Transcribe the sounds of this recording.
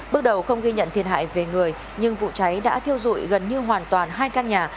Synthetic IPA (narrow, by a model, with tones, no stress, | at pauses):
ɓɨ˦˥ək̚ɗə˨˩wxə˧wŋ͡mɣi˧ɲə̰˧˨nt̪ʰi˨˩ənɦa̰ː˧˨jve˨˩ŋɨ˨˩əj | ɲɨ˧ŋvṵ˧˨t͡ɕa˨˦jɗa̰ː˧˥t̪ʰi˧əwzṵ˧˨jɣə˨˩nɲɨ˧ɦwaː˨˩nt̪waː˨˩nɦaː˧jkaː˧nɲaː˨˩